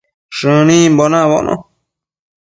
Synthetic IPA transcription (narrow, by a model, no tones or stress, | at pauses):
ʂɨ̃nĩmbonãβo̰nʔõ̰